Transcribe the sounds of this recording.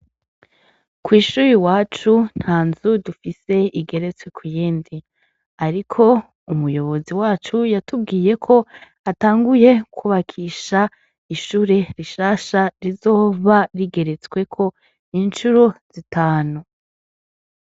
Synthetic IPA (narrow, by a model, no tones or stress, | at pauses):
kwiːʃuɾiwaːt͡ʃun̥haːnzudufise̞iɡe̞ɾe̞t͡swe̞kʰujiːndi | aɾikʰo̞ | umujo̞βo̞ziwaːt͡ʃujatubɡiːje̞kʰo̞ | ataːŋɡuje̞kʰuβakʰiʃa | iʃuːɾe̞ɾiʃaːʃaɾizo̞ːβaɾiɡe̞ɾe̞t͡swe̞kʰo̞ | int͡ʃuɾoz̥itaːnu